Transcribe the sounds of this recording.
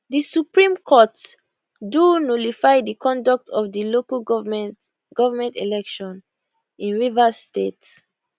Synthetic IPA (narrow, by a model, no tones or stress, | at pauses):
disupɹĩmkʰɔt | dunolifajdikʰɔ̃ndɔk̚tʰɔvdilokal | ɡ̥ɔvamɛ̃ntilɛkʃɔ̃n | ĩnɹivastets